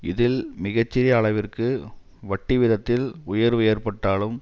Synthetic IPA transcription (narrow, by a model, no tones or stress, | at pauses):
ɪðɪlmɪɣɐt͡ʃːɪɾɪjɐːɭɐʋɪrkɯ | ʋɐʈːɪʋɪðɐt̪ːɪlʊjɐɾʋɯeːrpɐʈːaːlɯm